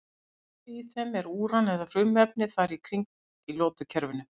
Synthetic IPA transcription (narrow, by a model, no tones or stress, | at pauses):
iiθɛmɛɾuːɾanɛðafɾʏmœp̚nɪθaɾikʰɾiŋk | ilɔːt̪ʏcʰɛɾvɪnʏ